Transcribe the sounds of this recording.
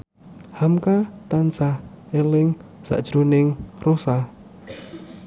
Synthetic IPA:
hamkat̪ansa | elɪŋsa̰ʔd̥ʒ̥ɾunɪŋrosa

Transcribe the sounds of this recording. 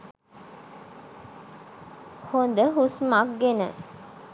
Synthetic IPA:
hond̪əɦusmak̚ɡenə̰

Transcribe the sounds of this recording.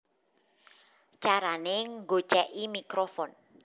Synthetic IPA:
t͡ʃaɾaneŋɡo̥t͡ʃɛʔimikɾofɔn

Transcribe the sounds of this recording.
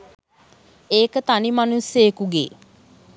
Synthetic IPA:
eːkət̪animanusjeːkuɡḛː

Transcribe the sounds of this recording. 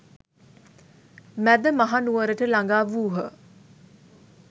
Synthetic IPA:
mæd̪əmaɦanuʋəɾəʈəlaŋɡaːʋuːɦə

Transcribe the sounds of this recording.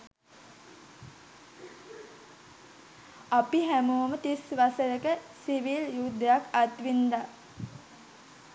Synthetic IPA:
apiɦæmuːmət̪isʋasəjəkəsiʋiljud̪ːəjakat̪ʋind̪a

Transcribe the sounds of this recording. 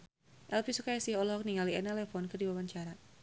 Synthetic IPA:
ʔɛlpisukajasihɔlɔɦɔk̚niŋaliɛnɛlɛfɔnkɨrdiwawaɲt͡ʃaɾa

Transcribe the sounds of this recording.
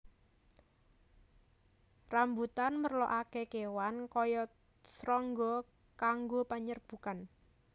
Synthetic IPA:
rambut̪anmərlɔʔakekewankɔjɔ | sɾɔŋɡɔ | kaŋɡopaɲərb̥ṳkan

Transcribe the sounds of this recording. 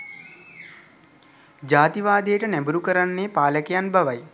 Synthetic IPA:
d͡ʒaːt̪iʋaːd̪ejːʈənæbuɾukəɾanːeːpaːləkejanbaʋaj

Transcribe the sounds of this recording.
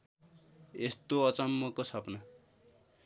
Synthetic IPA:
est̪oʌt͡sʌmːokosʌpnʌ

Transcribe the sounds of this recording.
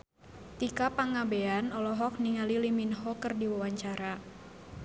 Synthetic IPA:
t̪ikapaŋabeanɔlɔɦɔk̚niŋaliliminɦɔkərdiwawaɲt͡ʃaɾa

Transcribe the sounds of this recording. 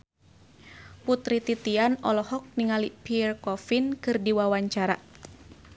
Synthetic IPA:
put̪ɾit̪it̪ianɔlɔhɔk̚niŋalipiɛrkɔfinkɨrdiwawaɲt͡ʃaɾa̰

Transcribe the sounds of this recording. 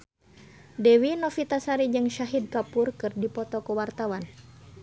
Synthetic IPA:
dɛwinɔfit̪asaɾid͡ʒɨŋʃaɦid̪̚kapurkɨrdipɔt̪ɔkəwart̪awan

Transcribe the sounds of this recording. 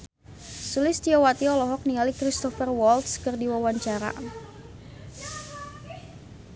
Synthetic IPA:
sulɪst̪iɔwat̪iɔlɔɦɔk̚nialikɾist̪ɔfərwɔlt̪skərdiwawaɲt͡ʃaɾa̰

